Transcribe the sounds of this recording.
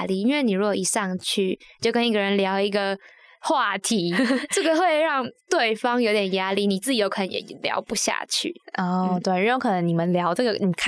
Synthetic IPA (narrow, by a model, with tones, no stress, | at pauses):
li˥˩i˥nwe˥˩ɪni˨˩ɻu˧˥ɡwo˨˩i˨˩ʂɑ˥˧ŋt͡ɕʰy˥˩t͡ɕo˥˩ʊkə˥ni˥ɡə˨˩ɻə˧˦nljɑ˧˥ʊi˧˥ɡə˨ | xwa˥˨˩t̪ʰi˧˥ʈ͡ʂə˥˩ɡə˨xwe˥˧ɪɻɑ˥˧ŋt̪we˥˩ɪfɑ˥ŋjo˧˥ʊt̪jɛ˨˩nja˥li˥˩ni˨˩t͡sɹ̩˥˩t͡ɕi˨jo˧˥kʰə˨˩nə˧˦jɛ̰˨˦ljɑ̰˧˥ʊpu˧˥ɕja̰˥˧t͡ɕʰy̰˥˩ɔ˥˩t̪we˥˧ɪɻ̩y˥o˥kʰɤ˨˩nə˧˦ŋni˨˩mə˨˦nljɑ˧˥ʊʈ͡ʂɤ˥˩ɡə˩ni˨kʰ